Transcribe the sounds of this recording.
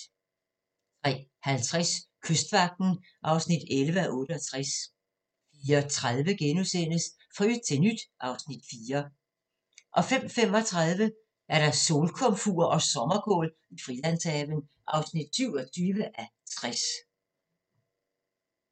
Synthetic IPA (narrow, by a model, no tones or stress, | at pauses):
t͡sʰʁɛ̰ːhælt͡sʰʁaskʰøsd̥ʋɑ̈ɡ̥̚d̥n̩ | ʔɑ̈ʊsnid̥elʋəæʔɔ̽ːɾ̥əɒ̽t͡sʰʁas | fiːɐt͡sʰʁað̞ˠʋəɡ̥enusen̰əs | fʁy̥t͡sʰe̝lnyd̥ʔɑ̈ʊsnid̥fiːɐ | ʔɒ̽fem̰fem̰ɒ̽t͡sʰʁað̞ˠʋə | ʔæɐɾ̥ɑ̈so̝ːlkʰɔ̽mfuɐʔɒ̽sɒ̽mɐkʰɔ̰ːl | ifʁilæn̰sɛʋənʔɑ̈ʊsnid̥syʊ̰ɒt͡sʰyːʋəʔæt͡sʰʁas